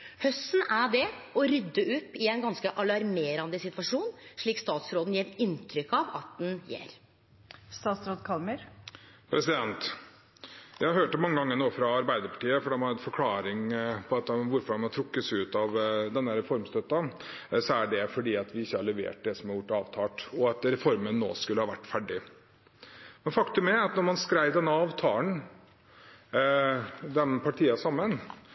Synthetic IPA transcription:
hœst̪ːn̩æɖɛɔɾʏd̪ːəʉpːɪɛnɡɑnskəʔɑlɑɾmeːɾɑnd̪ɪsɪt̪ʋɑʂuːnʂɭiːkst̪ɑːt̪sɾoːd̪n̩jeːɾɪnt̪ʰɾʏkːɑʋɑt̪̚d̪ɛnjḛːɾ | st̪ɑːt̪sɾoːd̪kʰɑlməɾpʰɾɛsɪd̪ɛnt̪ | jæɪhɑhøːʈəmɑŋːəɡɑŋːənoːfɾɑɑɾbæɪd̪əɾpʰɑ̥ʈiːəfɔɖɛmhɑɾɛt̪fɔɾkʰlɑːɾɪŋpʰɔɑt̪̚ɛʋʊɾfɔɾɛmɑt̪ʰɾʊkːəsʉːt̪ɑʋd̪ɛnːəɾɛfɔɾmst̪œt̪ːɑsɔæɖɛfɔɖiːɑt̪ʋɪɪçːəhɑɭɛʋḛːʈ̚d̪ɛsɔmhɑɾjʊʈːɑːʋt̪ʰɑːʈɔɑt̪ɾɛfɔɾmənːo̰ːskʉlːəhɑːʋæʈːfæɖɪ | mɛnfɑkt̪ʉmæɑt̪nɔɾmɑnskɾæɪʋd̪ɛnːəɑːʋt̪ʰɑːən | d̪ɛnpʰɑʈʰiːɑsɑmːən

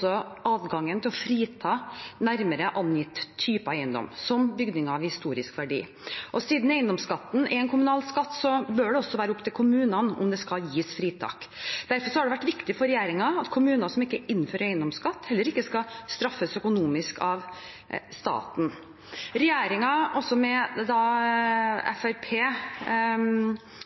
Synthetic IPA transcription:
ɔɑːd̪ɡɑŋːənt̪ʰɪlɔfɾiːt̪ʰɑːnæɾməɾəʔɑnjɪt̪ʰːyːpɑæɪənd̪ɔ̰msɔmbʏɡd̪ɪŋɑʋhɪst̪uːɾɪskʋæɖḭː | ʔɔsiːd̪n̩eɪənd̪ɔmskɑt̪ːn̩ɪɛnkʰʊmʉnɑːlskɑt̪ːsɔbøːɖɛɔsːɔʋæːɾəʊpːt̪ʰɪlkʰʊmʉːnɑnʊ̰md̪ɛskɑljiːsfɾiːt̪ʰɑ̰ːkd̪̥æɾfɔʂɔhɑɖɛʋæʈːʋɪkt̪ɪfɔɾɛjeːɾɪŋɑɑt̪kʰʊmʉːnɑsɔmɪkːəɪnːføːɾɛɪənd̪ɔmskɑt̪ːhɛlːəɾɪkːəskɑst̪ɾɑfːəsœkʊnuːmɪskɑʋ | st̪ɑ̰ːt̪n̩ | ɾɛjeːɾɪŋɑʔɔsːɔmɛd̪ɑ | ɛ̰fæɾpʰeː

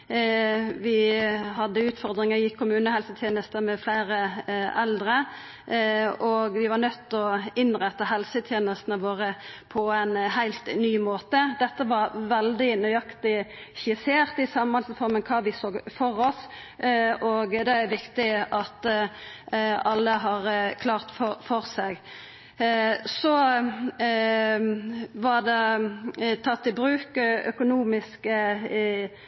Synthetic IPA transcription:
ʋɪhɑd̪ːəʉːt̪fɔɾd̪ɾɪŋəjɪkʰːʊmʉːnəhɛlsət̪ʰjeːnəst̪əmɛflæɪɾəɛld̪ɾə | ɔɡʋɪʋɑɾnœt̪ːɔɪnʁɛt̪ːəɦɛlsət̪ʰjeːnəst̪nəʋoːɾəpʰɔæɪnhæɪlt̪nyːmoːt̪əd̪ɛt̪ːəʋɑɾʋɛld̪ɪnœʏɑkt̪ɪ | çɪseːʁt̪ɪsɑmɑlsfɔɾmənkʰɑːʋɪsoːɡfɔɾɔs | ɔɡd̪ɛæɾʋɪkt̪ɪɑt̪ | ɑlːəɦɑɾkʰlɑːʁt̪fɔfɔɾsɛɡ | sɔ | ʋɑɾd̪ɛ | t̪ʰɑt̪ʰːɪlbɾʉːkœ̰kʊnuːmɪskə

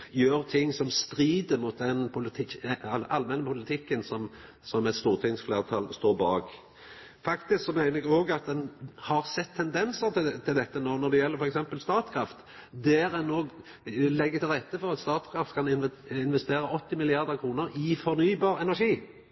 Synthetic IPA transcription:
jøːɾt̪ʰɪŋːsɔmst̪ɾiːd̪əmʊt̪̚d̪ɛnpʰʊlɪt̪ʰɪɑlmɛnːəpʰʊlɪt̪ʰɪkːənsɔm | sɔmɛt̪st̪uːʁt̪ʰɪŋsfleːʁt̪ʰɑlst̪oːɾbɑːɡ | fɑkt̪ɪsksɔmæɪnəɛɡoːɡɑt̪̚d̪ɛnhɑʁsɛt̪ʰːɛnd̪ɛnsət̪ɪt̪ʰɪld̪ɛt̪ːənoːnɔd̪ɛjɛləɾfɔɾɛksɛmpəlst̪ɑːt̪kʰɾɑft̪ | d̪ɛːɾɛnːoːɡ | lɛɡːət̪ɪlʁɛt̪ːəfɔʁɑt̪st̪ɑːt̪kʰɾɑft̪kʰɑnɪnɪnʋɛst̪eːɾəʔɔt̪ːɪmɪlɪɑʁd̪əʁkʰɾuːnəɾɪfɔʁnyːbɑːɾɛnæʂiː

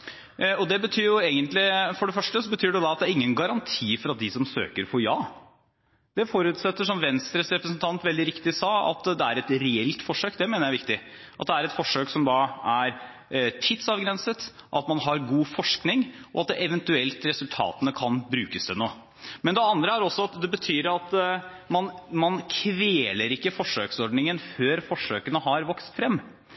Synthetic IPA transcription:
ɔd̪ɛbət̪ʰyːɾjʊeːɡənt̪lɪfɔɖɛfœʂʈəsɔbət̪ʰyːɖɛjʊd̪ɑt̪̚d̪æːɾɪŋːənɡɑɾɑnt̪ʰiːfɔɾɑt̪̚d̪ɪsɔmsø̰ːkəɾfʰɔɾjɑː | d̪̥ɛfɔɾʉːt̪sɛt̪ːəʂɔmʋɛnst̪ɾəsɾɛpɾəsnt̪ʰɑnt̪ʋɛld̪ɪɾɪkt̪ɪsɑːɑ̰t̪d̪ɛæɾɛt̪ɾɛɛlt̪fɔʂøːkd̪ɛmeːnəjæɪʋɪk̚t̪ɪʔɑt̪̚d̪ɛæɾɛt̪fɔʂːøːksɔmd̪ɑːæɾ | t̪ʰɪd̪sɑʋɡɾɛnsət̪ʔɑt̪mɑnɦɑɾɡuːfɔʂknɪŋʔɔɑt̪̚d̪ɛʔɛʋɛnt̪ʉɛlt̪ɾɛsʉlt̪ʰɑ̰ːt̪ənəkʰɑnbɾʉːkəsd̪ɛnoː | mɛnd̪ɛɑnd̪ɾəæɾɔsːɔɑt̪d̪ɛbət̪ʰyːɾɑt̪ | mɑnmɑnkʰʋeːləɾɪkːəfɔʂøːksɔɖnɪŋənføːɾfɔʂøːkənəɦɑɾʋɔkst̪fɾɛmː

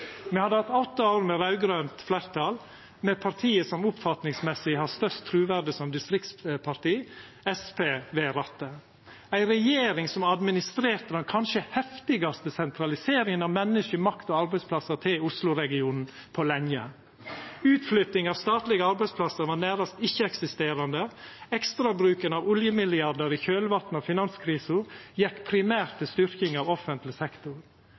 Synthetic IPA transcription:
mɛhɑd̪ːəhɑt̪ɔt̪ːəɑːɾmɛɾɑʉɡɾœːnt̪flæɾt̪ʰɑl | mɛpʰɑɾt̪ʰiːəsɔmʊpfɑt̪nɪŋsmɛsɪhɑst̪œɾst̪t̪ʰːɾʉːʋæɖəsɔmd̪ɪst̪ɾɪkt̪spʰɑɾʈ̪iː | ɛspeːʋeːɾɑt̪ːə | æɪɾɛjeːɾɪŋsɔmɑd̪mɪnɪst̪ɾeːɾt̪əd̪ɛnkʰɑnʃəhɛft̪ɪɡɑst̪əsɛnt̪ʰɾɑlɪseːɾɪŋənɑʋmɛnːəʃəmɑkt̪ɔɑɾbɛɪspʰlɑsəɾt̪ʰɪlʊslʊɾɛɡɪuːnn̩ | pʰɔlɛŋjə̰ | ʉːt̪flʏt̪nɪŋɑːʋst̪ɑːt̪lɪɡəɑɾbæɪspʰlɑsəɾʋɑːnæːɾɑst̪ɪçːəɛksɪst̪eːɾɑnd̪əɛkst̪ɾɑbɾʉːkənɑʋʊljəmɪlɪɑɖ̪əɾɪçøːlʋɑt̪n̩ɑfɪnɑnskʰɾiːsəɾjɛkːpʰɾɪmæːɾt̪ʰːɪlst̪ʏɾkɪŋɑʋɔfənt̪lɪsɛkt̪ʊɾ

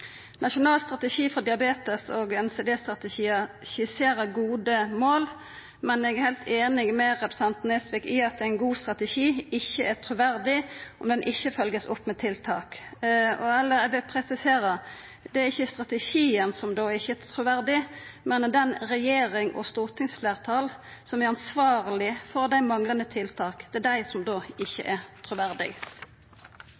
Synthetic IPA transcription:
nʔɑʃʊnɑːlst̪ɾɑt̪əʃiːfɔd̪ɪɑbeːt̪əsɔɡɛnsed̪eːst̪ɾɑt̪ɛʃiːə | çɪseːɾəɡuːd̪əmoːl | mɛnɛɡæɾhɛɪlt̪ʰeːnɪɡmɛɾɛpɾə̥sɑnt̪nɛsʋɪkɪɑt̪̚d̪ɛæɪnɡuːst̪ɾɑt̪əʃiːɪçːəʔæt̪ʰɾʊʋæɾd̪ɪʔɔmd̪ɛnʔɪçːəfœlɡəsʊpːmɛt̪ʰɪlt̪ʰɑːkɔɛlːəɾɛʋɪlpʰʁɛsɪseːɾə | d̪ɛæɾɪçːəst̪ʁɑt̪əʃiːənsɔmd̪oːɪçəɛt̪ʰɾʊʋæʁd̪ɪmɛnd̪ɛnʁɛjeːɾɪŋɔ̰st̪uːʁt̪ʰɪŋsfleːʁt̪ʰɑːl | sɔmæɾɑnsʋɑːʁlɪfɔʁd̪æɪmɑŋlɑnət̪ʰɪlt̪ʰɑːkd̪̥ɛd̪æɪsɔmd̪oːɪçːə̰ʔɛʁt̪ʰɾʊʋæʁd̪ɪ̰ɡ

